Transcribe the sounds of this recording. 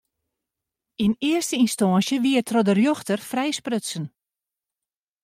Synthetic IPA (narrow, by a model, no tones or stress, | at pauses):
inɪərstəinstɔːnsjəʋiərtʰrɔdərjoxtərfrɛjsprøtsən